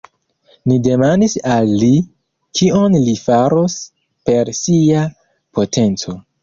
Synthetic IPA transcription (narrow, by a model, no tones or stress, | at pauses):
nide̞mandisalːi | kʰionlifaɾo̞s | pe̞ɾsia | pʰo̞tʰe̞nt͡so̞